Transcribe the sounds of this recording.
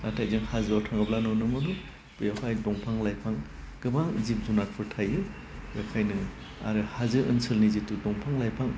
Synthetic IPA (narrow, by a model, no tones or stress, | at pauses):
atʰajzɯŋhazawtʰaŋɯblanɔnɯmɯbɯ | b̥ɯjakʰajdɔŋpʰaŋlajpʰaŋ | ɡ̥ɯbaŋzip̚zunat̚pʰɯɾtʰajɯ | jakʰajnɯ | a̰ɾɯhazɯʔɯnsɯlnizitudɔŋpʰaŋlajpʰaŋ